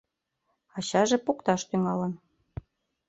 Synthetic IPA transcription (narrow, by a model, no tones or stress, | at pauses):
ɑɕɑʒĕpukt̪ɑʃt̪yŋɑlə̆n